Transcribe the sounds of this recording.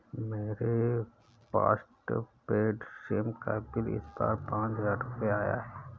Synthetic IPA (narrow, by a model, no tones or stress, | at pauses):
meːɾe | pa̰ːsʈpeːɖʃeːmkabɪlɪ̰sba̰ːɾpãːt͡ʃzaɾʊpeaːja̰ɦɛː